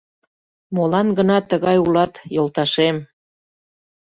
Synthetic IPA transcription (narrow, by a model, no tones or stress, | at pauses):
molɑnɡənɑt̪ːəɣɑjulɑt̪jolt̪ɑʃem